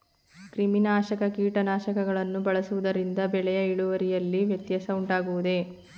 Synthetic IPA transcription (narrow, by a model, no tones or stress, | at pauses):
kɾiminaːʃɐkɐkiːʈɐnaːʃɐkɐɡɐɭɐnːubɐɭɐsuʋud̪ɐɾind̪ɐbɛɭɛjɐiɭuʋɐɾijɐlːiʋjɐt̪jɐsɐuɳʈaːɡuʋud̪e̞